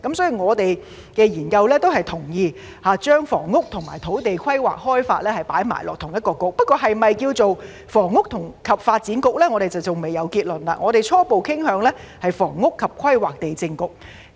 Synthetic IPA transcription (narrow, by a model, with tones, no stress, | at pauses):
kɐ˨˦msɔː˨˥jiː˨ŋɔː˨˧t̪e˨j | kɛː˧jiː˨˩nkɐ˧wlɛː˥t̪o˥whɐ˨jt̪ʰʊ˨˩ŋjiː˨˧ | haː˨˧t͡ʃœː˥ŋfɔ̰ː˨˩ŋːʊ˥k̚t̪ʰʊ˨˩ŋmaː˨˩jt̪ʰo˨˥wt̪e˨jkʰɐ˥jwa̰ː˨k̚hɔː˥jfa̰ː˧t̚lɛː˥hɐ˨jpa̰ː˨˥jma̰ː˨˩jlɔ̰ː˨k̚t̪ʰʊ˨˩ŋjɐ˥t̚kɔː˧kʊ˨˥k̚pɐ˥t̚kɔː˧ɦɐ˨jmɐ˨jkiː˧wt͡so˨w | fɔː˨˩ŋːʊ˥k̚t̪ʰʊ˨˩ŋkʰɐ˨p̚faː˧t̚t͡siː˨˥nkʊ˨k̚lɛː˥ŋɔː˨˧t̪e˨˩t͡sɐ˨wt͡sʊ˨˩wme˨˩jɐ˨˧wkiː˧t̚lɵ˨˩nla̰˧˥ŋɔː˨˧t̪e˨jt͡sʰɔː˥po˨wkʰɪ˥ŋɦœː˨˧ŋlɛː˥hɐ˨jfɔ̰ː˨˩ŋːʊ˥kʰːɐ˨p̚kʰɐ˥jwaː˨k̚t̪e˨jt͡sɪ˧ŋkʊ˨k̚